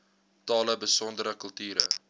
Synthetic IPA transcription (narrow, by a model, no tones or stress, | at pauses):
tɑːləbəsɔndəɾəkəlˠtyːɾə̰